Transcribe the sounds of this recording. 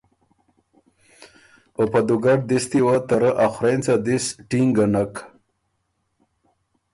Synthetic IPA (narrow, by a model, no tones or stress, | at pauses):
pəpad̪uɡaʈ̚d̪ist̪iwat̪aɾəʔaxɾent͡sad̪isʈiŋɡanak